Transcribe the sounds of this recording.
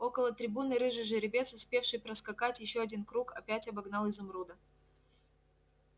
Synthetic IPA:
o̞kəlˠət̪ɾʲɪbunɨɾɨʐɨʐɨɾʲɪbʲe̞t̪sʊspʲe̞fʂɨjpɾəskɐkatʲjɪɕːoɐdʲinkɾukɐpʲætʲɐbɐɡnɑlˠɪzɐmɾud̪ə

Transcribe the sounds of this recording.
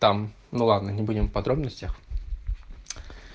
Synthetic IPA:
t̪am | nulˠad̪nɐnʲɪbudʲɪmpɐd̪ɾɔbnəsʲtʲɐx

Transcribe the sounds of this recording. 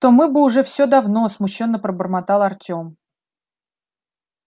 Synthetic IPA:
t̪o̞mɨbɨʊʐɛfsʲod̪ɐvnosmʊɕːo̞nːəpɾəbərmat̪alˠɐrtʲo̞m

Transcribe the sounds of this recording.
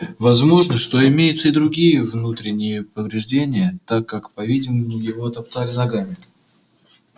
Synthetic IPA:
vɐzmo̞ʐnəʂt̪o̞ɪmʲejɪt̪səid̪ɾʊɡʲijəvnut̪ɾʲɪnʲɪjəpəvɾʲɪʐdʲenʲɪjət̪akːakpɐvʲidʲɪməmʊjɪvo̞t̪ɐpt̪alʲɪnɐɡamʲɪ

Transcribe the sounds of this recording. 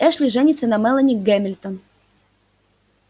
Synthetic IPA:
ɛʂlʲɪʐɛnʲɪt̪sənɐmɛlˠənʲɪkɡɛmʲɪlʲt̪ən

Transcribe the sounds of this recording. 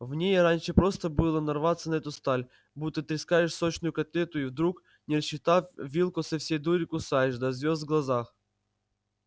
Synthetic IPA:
vnʲejɾanʲʂɨpɾo̞st̪əbɨlˠənɐrvat̪sːənɐɛt̪ʊst̪alʲ | but̪ːɨt̪ɾʲɪskajɪʂsot͡ɕnʊjʊkɐt̪lʲet̪ʊivd̪ɾuk | nʲɪrəɕːɪt̪afvʲilˠkʊsɐfsʲejd̪uɾʲɪkʊsajɪʂd̪ɐzvʲozd̪vɡlˠɐzax

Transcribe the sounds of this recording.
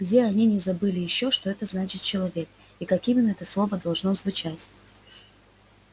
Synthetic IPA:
ɡdʲeɐnʲinʲɪzɐbɨlʲɪjɪɕːo̞ʂt̪o̞ɛt̪əznat͡ɕɪt̪̚t͡ɕɪlˠɐvʲe̞k̚ | ikɐkʲimʲɪnːəɛt̪əslˠo̞vəd̪ɐlˠʐno̞zvʊt͡ɕatʲ

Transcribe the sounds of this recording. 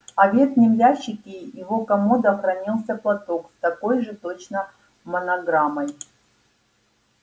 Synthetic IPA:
ɐvʲe̞t̪nʲɪmlʲaɕːɪkʲɪjɪvo̞kɐmod̪ɐɐxɾɐnʲilˠsʲəplˠɐt̪o̞kst̪ɐko̞jʐɨt̪o̞t͡ɕnə | mənɐɡɾamɐj

